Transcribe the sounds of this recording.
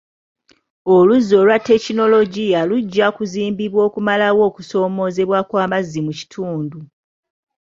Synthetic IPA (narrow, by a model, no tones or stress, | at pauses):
o̞luzo̞ːlwatːe̞cino̞lo̞ɟijaluɟːakuziːmbiβwo̞ːkumalawo̞ːkuso̞ːmo̞ːze̞βwakwaːmazːimuci̥tʰuːndu